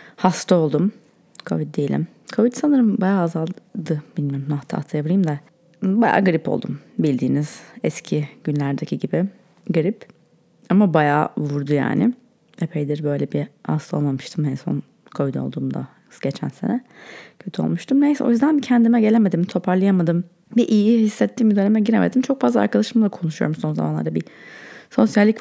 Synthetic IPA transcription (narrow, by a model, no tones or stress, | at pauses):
hast̪ʰao̞lˠd̪um | kʰo̰vit̪̚d̪ejilʲḭm | kʰovid̪sanɯɾɯmbajaːzalˠd̪ɯb̥ilʲmijoɾumaht̪ʰaa̰t̪ʰajab̪ˠɯjɯmd̪a | baja̰ːɡɯɾipʰo̞̰lˠd̪ṵmbilʲd̪iːniz̥ɛscʰiɟynlʲæɾd̪ecʰiɟibi | ɡɯɾip | amabajaːvuɾd̪uja̰ːnɪ̰ | epʰejd̪iɾbø̞jlʲɛbia̰sˠolˠmamɯʃt̪ʰɯmenso̰n | kʰojd̪o̰lˠd̪uːmd̪a̰ | ɯsɟe̞t͡ʃʰæ̰nse̞nɛcʰø̞t̪ʰyo̞̰lˠmuʃt̪ʰɯmɛjo̞̰jyzd̪æncʰɛnd̪imɛɟe̞lʲeme̞d̪imt̪ʰo̞pʰaɾlˠajamad̪ɯm | biʔijihisːɛt̪ʰːiːmid̪ønʲemɛɟiɾemʔed̪imt͡ʃʰo̞k̚fazlˠa̰ɾkad̪aʃɯmɯd̪ˠakʰo̞nuʃujo̞̰ɾumso̞nzama̰nˠa̰ɾabiso̞sjalʲːic